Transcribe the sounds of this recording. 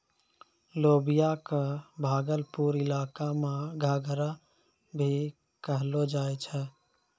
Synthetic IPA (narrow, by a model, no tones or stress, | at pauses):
loːbijakebʱaːɡəlpuɾɪlaːkameɡʱaːɡɾa | bʱi | kəɦlod͡ʒaːɛt͡ʃʰɛ